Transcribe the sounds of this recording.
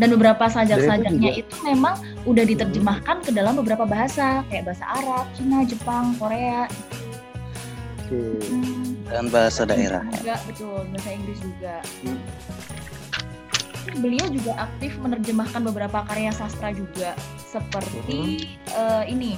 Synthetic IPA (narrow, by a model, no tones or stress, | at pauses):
danbəbəɾapasad͡ʒaksakd͡ʒak̚ɲaʔit̪umemaŋ | udahdit̪ərd͡ʒəmahkankədalambəbəɾapabaɦasakajaʔbaɦasa̰ʔaɾap̚t͡ʃinad͡ʒəpaŋkoɾeaɡit̪u̥ | daanbaɦasada̰ʔḛɾa̰uɡabət̪ʊlbaɦasaiŋɡlɪs̬d͡ʒuɡa | ibəliawd͡ʒuɡaʔak̚t̪ɪfmənərd͡ʒəmahkanbəbəɾapakaɾeasast̪ɾad͡ʒuɡa | səpərt̪i | əːini